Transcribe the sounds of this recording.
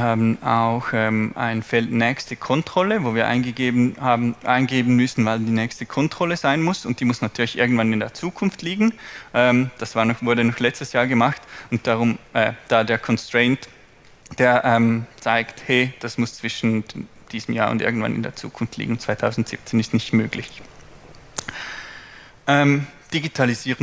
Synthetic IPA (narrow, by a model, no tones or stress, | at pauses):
viɐhaːbn̩a̰ʊxʔɛːma̰ɪnfɛltnɛːçstəkʰɔntʁ̥ɔləvoːviːɐʔa̰ɪnəhaʔaɪnɡeːbn̩mʏsn̩valdiːnɛːçstəkʰɔntʁ̥ɔləzaɪnmʊsʊnt̚d̥iːmʊsnatʰyːɐlɪçʔɪ̰ɐɡŋ̩tvanɪndeːɐt͡suːkʰʊnftliːɡŋ̩ʔɛːmd̥asv̥aːɐnɔxvʊɐdənɔxlɛt͡stəsjaːɐɡəmaxtʊnt̚d̥aʁʊmʔɛːd̥aːdeːɐkʰɔnstʁ̥ɛɪnt | d̥eːɐʔɛːmt͡saɪkthɛːd̥asmʊst͡sv̥ɪʃn̩ | d̥iːzəm̩ja̰ːɐʊ̰ndʔɪ̰ɐɡŋ̩tva̰nɪ̰ndḛːɐt͡sṵːkʰʊnftlḭːɡŋ̩t͡svaɪtʰaʊzn̩tz̥ḭp̚t͡seːnɪstnɪçtmøːɡlɪç | ʔɛːmd̥iɡitʰaliziːʁə